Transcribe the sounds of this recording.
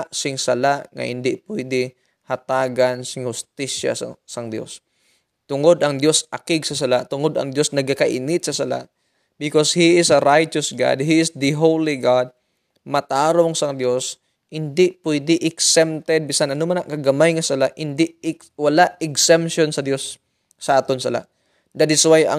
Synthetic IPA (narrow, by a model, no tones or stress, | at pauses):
ʔsɪŋsɐlaʔŋɐ̰ʔɪ̰nd̪ɪʔpwɛjd̪ɪ | hɐt̪aːɡansɪŋhʊst̪ɪʃja̰sɐŋd̪jo̰s | t̪ʊŋod̪ʔɐŋd̪josʔɐkɪɡsɐsɐlaʔt̪ʊŋod̪ɐ̰ŋd̪jo̞snɐɡ̚akɐʔɪnɪt̪̚sɐsɐla̰ʔ | bɪkoshiʔɪsɐɾajt͡ʃosɡa̰d̪̚ɦiɪsd̪əɦowliɡad̪̚ | mɐt̪aːɾoŋsɐd̪jos | hɪnd̪ɪpwɛjd̪ɪʔɪksɛmt̪ɛd̪̚bɪsanʔɐnomanɐŋkɐɡɐmajŋɐsɐlaʔhɪnd̪ɪʔ | wɐlaʔɛksɛmpʃonsɐd̪jo̞sː | ɐʔaːt̪onsɐla̰ʔ | d̪at̪ɪswajɐ̰